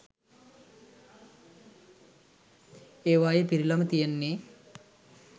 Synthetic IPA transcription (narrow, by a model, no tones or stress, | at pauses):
eːʋaːjepiɾilɐmət̪ijenːe